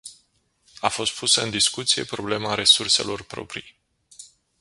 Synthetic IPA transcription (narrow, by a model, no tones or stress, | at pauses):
afo̞st̪̚pusəɨnd̪iskut̪sije̞̰pɾo̞ble̞maɾe̞surse̞̰lo̞rpɾo̞̰pɾij